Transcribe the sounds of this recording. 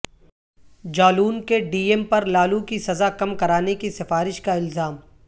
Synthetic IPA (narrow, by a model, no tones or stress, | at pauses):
d͡ʒaːluːnkeɖiːempɐɾlaːlukisɐzakɐmkɐɾaːnekisɪfaːɾɪʃkaɪlzaːm